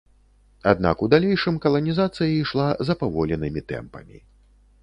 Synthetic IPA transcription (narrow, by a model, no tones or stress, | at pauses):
a̰d̪̚na̰kud̪alʲɛjʂɨmkɐlˠɐnʲizat̪sɨjɐiʂlˠazɐpavɔlʲɛnɨmʲit̪ɛ̰mpɐ̰mʲḭ